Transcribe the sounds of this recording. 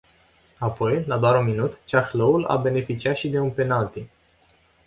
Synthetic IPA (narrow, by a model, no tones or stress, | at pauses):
apo̞jlad̪oaɾunminut̪t͡ʃaxloula̰be̞ne̞fit͡ʃiat̪ʃid̪e̞unpe̞nalt̪i